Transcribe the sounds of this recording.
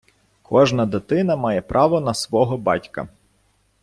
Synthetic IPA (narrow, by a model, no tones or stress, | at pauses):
kʰɔʒnɐd̪et̪ɪnɐmɑjɛpɾʔɑʋɔnɐsʋɔɦɔbɑ̰tʲkɐ̰